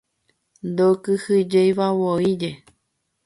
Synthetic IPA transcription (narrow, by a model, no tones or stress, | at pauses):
nd̪okɨhɨd͡ʒejβawoid͡ʒe